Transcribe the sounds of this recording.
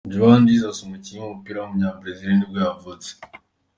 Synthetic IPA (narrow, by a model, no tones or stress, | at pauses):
d͡ʒuβandizasumucijemumupiːɾaumuɲapɾezideːntibwavut͡se̥